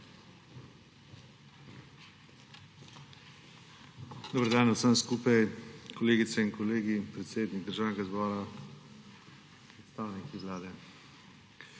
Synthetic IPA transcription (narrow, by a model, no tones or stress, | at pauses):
d̪oːbəɾd̪aːnasənskuːpajkʰoleːɡit̪sɛinkɔleːɡipɾɛt̪seːd̪niɡ̚d̪əɾʒaːwnɡazbɔːɾa | pɾɛt̪st̪aːwnikiʋlaːd̪ɛ